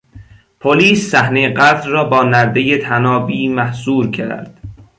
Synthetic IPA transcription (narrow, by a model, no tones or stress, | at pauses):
pʰoliːsːæhnejeɢæd̪ɾrɒːbɒːnæɾd̪ejet̪ʰænɒːbiːmæhzuːɾcʰæ̰ɾd̪̥